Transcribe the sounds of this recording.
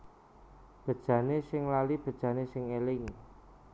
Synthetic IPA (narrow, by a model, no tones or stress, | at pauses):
b̥ə̤d̥ʒ̥ä̤nesɪŋlalib̥ə̤d̥ʒ̥ä̤nesɪŋelɪŋ